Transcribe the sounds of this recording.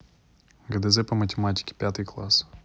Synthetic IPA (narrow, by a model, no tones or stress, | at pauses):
ɡɐd̪ɛzɛpɐmətʲɪmatʲɪ̥kʲɪ̥pʲat̪ɨjklˠas